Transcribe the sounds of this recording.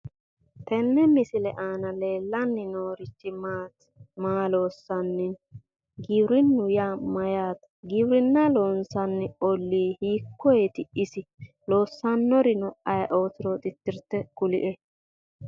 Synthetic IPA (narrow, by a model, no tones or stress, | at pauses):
t̪ɛnːɛmɪsɪlɛʔaːnɐleːlːɐnːɪnoːɾɪt͡ʃːɪmaːt̪ | maːlo̞ːsːɐnːɪ | ɡɪwɾɪnːʊjaːmɐjaːt̪ | ɡɪbɾɪnːɐloːnsɐnːɛɔlːiːhiːkʰːɔɛt̪ɪʔɪsɪ | loːsːɐnːɔɾɪnɔʔɐjɐʔoːt̪ɪɾot̪ʼɪt̪ːɪɾt̪ːɛkʊlɪ̰ʔɛ